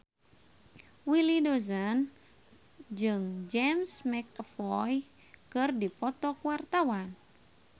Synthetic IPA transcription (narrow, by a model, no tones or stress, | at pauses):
wilidɔzən | d͡ʒɨŋd͡ʒɛmsmɛkfɔj | kɨrdipɔt̪ɔkuwart̪awan